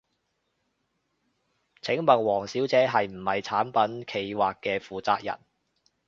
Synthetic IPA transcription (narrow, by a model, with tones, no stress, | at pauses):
t͡sʰɪ˨˥ŋmɐ˨nwɔː˨˩ŋsiː˨˥wt͡sɛː˨˧˥ɦɐ˨jm̩˨˩hɐ˨jt͡sʰaː˨˥npɐ˨˥nkʰe˧jwaː˨kːɛː˧fuː˨t͡saː˧k̚jɐ̰˨˩n